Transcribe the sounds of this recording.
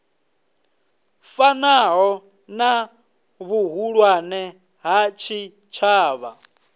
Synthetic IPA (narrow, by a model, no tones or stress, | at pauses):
fanaɦɔ | na | βuɦuɺwanɛ | ɦat͡ʃʰi | t͡ʃʰaːβa̰